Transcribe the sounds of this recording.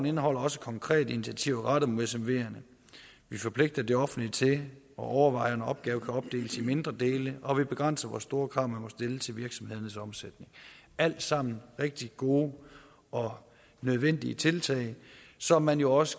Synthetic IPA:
n̩e̝nəɦɒ̽l̰ɐɒ̽sə̥kʰɒ̽ŋkʰʁɛ̰ːd̥əinit͡sʰiæt͡sʰiʊ̰ʁɑ̈ɾ̥ɐmo̝ðˠsemʋe̝̰ːɐnə | ʋifɒ̽pʰle̝ɡ̥̚d̥ɐd̥e̝ɒ̽fn̩lit͡sʰe̝ | ɒ̽ʔɒʊɐʋɑ̈ɪ̰ɐnɒ̽b̥̚ɡ̥ɛːʊkʰæɒ̽b̥̚d̥e̝̰ːləsime̝nd̥ʁɐd̥e̝ːləɒ̽ʋib̥e̝ɡ̥ʁɑn̰sɐʋɒ̰ːsːd̥o̝ːɐkʰʁɑ̈ʊ̰mænmɒ̽sd̥e̝lət͡sʰe̝lʋiɐɡ̥sɒ̽mhe̝ð̞ˠɐnəsɒ̽msed̥ne̝ŋ | æl̰d̥sɑ̈m̰n̩ʁeɡ̥̚d̥iɡ̥o̝ː | ʔɒ̽ | nøð̞ˠʋen̰d̥iət͡sʰe̝lt͡sʰɛ̰ɪsɒ̽mːænjo̝ɒ̽sə̥

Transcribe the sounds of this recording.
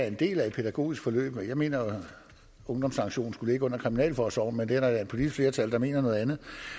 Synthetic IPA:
æɐend̥e̝̰ːlæed̥̚pʰed̥æɡ̥o̝̰ːisɡ̥fɒ̽lø̰ːb̥mejɑ̈ɪme̝̰ːnɐ | ɔ̽ŋd̥ɒ̽msɑ̈ŋɡ̥ɕo̝̰ːn̩sɡ̥uləeɡəɔ̽n̰ɐkʰʁiminɛ̰ːlfɒːsɒ̰n̩mend̥eæɐɾɑæe̥pʰo̝lidisɡ̥fle̝ːɐt͡sʰæld̥ɑme̝̰ːnɐnɔ̽ð̩ˠænð̩ˠ

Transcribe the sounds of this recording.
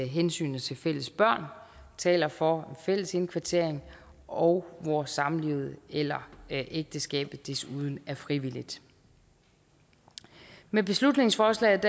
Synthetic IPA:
ɦensy̰ːnð̩ˠt͡sʰe̝fel̰əsb̥ɶɐ̰nt͡sʰɛ̰ːlɐfɒenfel̰əse̝nkʰʋɑ̈t͡sʰe̝ɐ̰e̝ŋ | ɒ̽ʊʋɒsɑ̈mlið̩ˠelɐʔeɡ̥̚d̥əsɡ̥ɛ̰ːb̥ð̩ˠd̥e̝suð̞ˠn̩æɐfʁiʋil̰id̥ | meb̥e̝slud̥ne̝ŋsfɒːslɛ̰ːð̩ˠd̥

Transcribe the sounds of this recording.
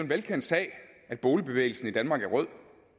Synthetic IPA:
e̝nʋelkʰen̰d̥sɛ̰ːɪ | æd̥̚b̥ɔːləb̥e̝ʋḛːɪl̩sn̩id̥ænmɑ̈ːɡ̥æɐʁœð̰ˠ

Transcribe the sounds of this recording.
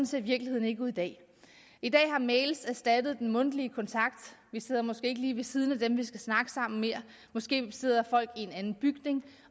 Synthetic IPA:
n̩sʰe̝ɐʋiɐɡ̥lihe̝ð̰ˠn̩e̝ɡ̥uðˠid̥ɛ̰ː | id̥ɛ̰ːhɑ̈meɪlsæsd̥æd̥ð̩ˠd̥enmɔ̽n̰d̥əliəkʰɒ̽nt͡sʰɑ̈ɡ̥d̥ʋise̝ð̰ˠɐmɒ̽sɡ̥e̝ːe̝ɡ̥əliːʋe̝sið̞ˠn̩æd̥emʋisɡ̥æsnɑ̈ɡ̥əsɑ̈m̰n̩me̝ɐ̰ | mɒ̽sɡ̥e̝̰ːse̝ð̞̰ˠɐfɒ̽l̰ɡ̥ie̝nænn̩b̥yɡ̥ne̝ŋ

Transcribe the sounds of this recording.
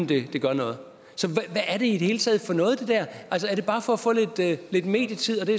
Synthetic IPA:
n̩d̥e̝d̥e̝ɡ̥ɶɐnɔ̽ːð̩ˠ | sɒ̽ʋæʋæʔːɐde̝id̥e̝he̝ːlt͡sʰɛ̰ːð̞̩ˠfɒ̽nɔ̽ːð̩ˠd̥e̝d̥æɐʔæls̬əæɐɾ̥e̝b̥ɑ̈ːfɒ̽æfɔ̰̽ːle̝d̥le̝d̥me̝̰ːd̥jət͡sʰið̞̰ˠɒd̥e̝ɐ

